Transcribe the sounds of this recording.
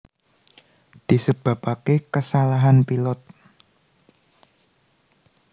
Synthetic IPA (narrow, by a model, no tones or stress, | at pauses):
d̪̥i̤səb̥a̤pakekəsalaɦanpilɔt̪̚